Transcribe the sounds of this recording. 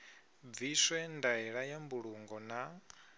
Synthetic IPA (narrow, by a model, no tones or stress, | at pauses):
viswɛndaɛɺajambuɺuŋɡɔna